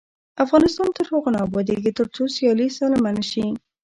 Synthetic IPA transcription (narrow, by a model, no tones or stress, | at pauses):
afɣɑnɪst̪ɑnt̪əɾhoɣonɑbɑd̪eɡit̪əɾt͡sosjɑlisɑlamanʃi